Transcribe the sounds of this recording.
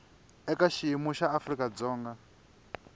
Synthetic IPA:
ɛkaʃiimuʃaːfɾikad͡zɔːŋɡa

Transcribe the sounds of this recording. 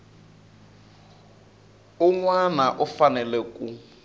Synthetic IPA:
uŋwanaʔufanɛlɛkʼu

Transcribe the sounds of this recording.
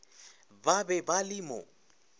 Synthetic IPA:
babɛbalɪmʊ̰

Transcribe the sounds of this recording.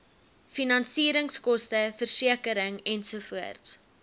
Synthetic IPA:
finɐnsiːɾəŋskɔstəfərsiəkəɾəŋɛnsuəfuərts

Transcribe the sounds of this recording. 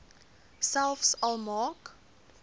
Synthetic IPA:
salfsalmɑːk

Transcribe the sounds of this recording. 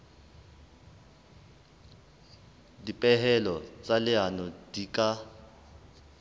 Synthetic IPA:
dipʼɛɦɛlɔt͡sʼalɪanɔdikʼa

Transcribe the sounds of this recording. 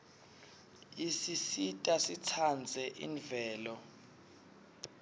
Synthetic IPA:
isisitʼasit͡sʰand͡zʱɛʔḭɱvɛːlɔ

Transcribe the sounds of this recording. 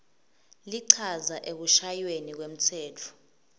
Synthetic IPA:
liǀʰazaʔek̬uʃajwenik̬wem̩tʰɛːtʰɔ̥

